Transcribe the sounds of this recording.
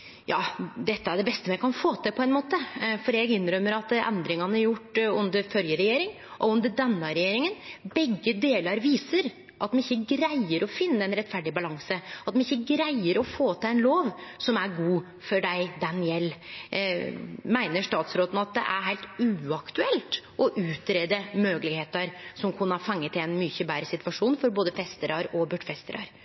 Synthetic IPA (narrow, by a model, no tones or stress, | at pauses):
jɑːd̪ɛt̪ːəæɖɛbɛst̪əmɛkʰɑnfoːt̪ʰɪpʰɔɛnmoːt̪əfɔɖɛɡɪnːɾœmːəɾɑt̪ɛ̰nd̪ɾɪŋɑnəæɾjʊʈːʉnd̪əɾfɔljəɾɛjeːɾɪŋ | ʔɔʉnd̪əɖɛnːɑɾɛjeːɾɪŋənbɛɡːəd̪eːlɑɾʋiːsəɾ | ʔɑt̪mɛnɪçːəɡɾæɪəɾʔɔfɪnːəɛnɾɛt̪ːfæɖɪbɑlɑŋsəɑt̪mɛnɪçːəɡɾæɪəɾɔfoːt̪ʰɪlɛɪnloːʋsɔmæɾɡuː | fɔɖæɪd̪ɑnɪɛlː | mæɪnəʂt̪ɑːt̪sɾoːt̪n̩ɑt̪̚d̪ɛ̰ʔæ̰ɾɦæɪt̪ʉːɑkt̪ʉɛlt̪ʔɔʔʉːt̪ɾeːd̪əmøːɡəlɪɡheːt̪ɑɾsɔmkʰʊnːəhɑɾfɑŋːət̪ʰːɪlɛnmyçəbæːɾəsɪt̪ʋɑʂuːnfɔɾboːd̪əfɛst̪əɾɑɾɔbʉɖfɛst̪əɾɑ̰ɾ